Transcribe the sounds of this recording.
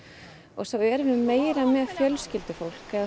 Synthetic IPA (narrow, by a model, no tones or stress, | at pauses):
ɔ̰ɣsawɛɾvʏmːeːjɾamɛðfjœlscɪlt̪ʏfowl̥kɛð